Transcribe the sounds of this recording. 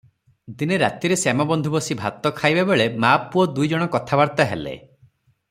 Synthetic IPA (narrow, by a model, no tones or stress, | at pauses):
d̪ineɾat̪iɾesemɔbɔnd̪ʱubɔsibʱat̪ɔkʰajbebeɭemapːuɔd̪ujd͡ʒɔɽ̃ɔkɔt̪ʰabaɾt̪aɦḛlḛ